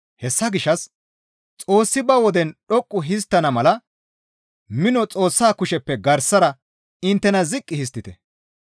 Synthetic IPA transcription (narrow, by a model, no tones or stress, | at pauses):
hɛsːɐɡɪʃːɐs | t͡sʼo̞ːsːɪbɐwɔd̪ɛnɗɔkʼːʊɦɪs̬t̪ːɐnɐmɐlɐ | mɪnɔt͡sʼo̞ːsːaːkʊʃɛpːɛɡɐɾsːɐɾɐ | ɪnt̪ːɛnɐzɪkʼːɪhɪs̬t̪ːɪt̪ɛ